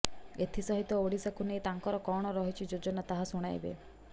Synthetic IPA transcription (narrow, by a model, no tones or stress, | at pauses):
et̪ʰisɔɦit̪ɔoɽisakʰunejt̪aŋkɔɾɔkɔɽ̃ɔɾɔɦit͡ʃʰid͡ʒod͡ʒɔnat̪aɦasuɽ̃a̰jbḛ